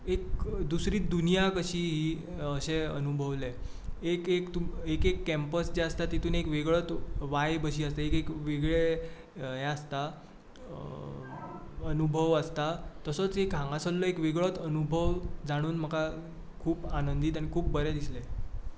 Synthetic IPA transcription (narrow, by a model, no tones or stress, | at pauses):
ekd̪usɾiːd̪unijakəɕiːɦiː | əɕeənubʱəʋle | ekekt̪uekekːɛmpəsd͡ʑeəst̪at̪it̪uːnekʋeɡɭət̪ʋajbəɕiːəst̪eekekʋeɡɭe | ɦɛəst̪a | ənubʱəʋəst̪at̪əsət͡sɦekɦãŋɡasəlləekʋeɡɭət̪ənubʱəʋd͡zaɽ̃uːnm̤əka | kʰuːpanənd̪iːt̪aɽ̃ikʰuːp̚bəɾɛd̪islɛ